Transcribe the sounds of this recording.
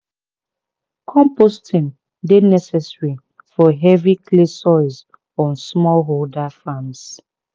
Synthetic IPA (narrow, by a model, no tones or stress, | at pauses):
kʰɔ̃mpostʰĩn | denɛsɛsɹi | fɔɦɛvikʰlesɔɪz | ɔ̃nsmɔlɦoldafãms